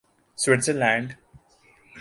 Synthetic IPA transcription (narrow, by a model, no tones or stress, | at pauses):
swɪʈsəlæ̃ːɳɖ